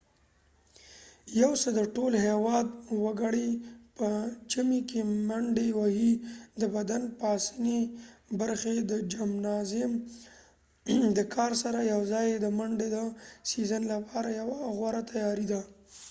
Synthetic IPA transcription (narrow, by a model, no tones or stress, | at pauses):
jawsəd̪əʈolɦewɑd̪̚wəɡaɽipət͡ʃamikemaɳɖewahid̪əbad̪anpɑsənebaɾxed̪əd͡ʒamnɑzɪm | d̪əkʰɑɾsaɾajawzɑjed̪əmaɳɖed̪əsizənlapʰɑɾajawaɣwaɾat̪ajɑɾid̪a